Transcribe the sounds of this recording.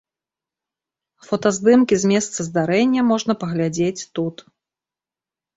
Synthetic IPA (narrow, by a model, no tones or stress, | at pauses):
fɐt̪ɐzd̪ɨmkʲizʲmʲɛst̪sɐzd̪aɾɛnʲːɐmɔʐnɐpɐɣlʲad͡zʲet͡sʲt̪ut̪